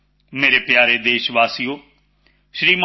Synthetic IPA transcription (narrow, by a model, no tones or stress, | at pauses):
meːɾeːpjaːɾeːd̪eːʃʋaːsijoː | ʃɾiːm